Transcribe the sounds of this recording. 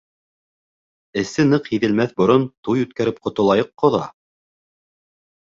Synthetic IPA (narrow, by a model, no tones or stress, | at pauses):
ɘ̆sɘnɤqhiðɘ̆lmæθbŏɾont̪ujʉt̪̚kæɾɘp̚qŏt̪ŏlˠɑjɤqːŏðɑ̰